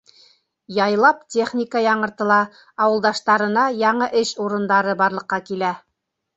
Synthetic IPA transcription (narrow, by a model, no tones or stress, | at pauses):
jɑjlˠɑptʲeχnʲikəjɑɴɤ̆ɾt̪ɤ̆lˠɑ | ɑwɤ̆lˠd̪ɑʃt̪ɑɾɤ̆nɑjɑɴɤʔɘʃuɾɤ̆nd̪ɑɾɤbɑɾlˠɤ̆qːɑkilæ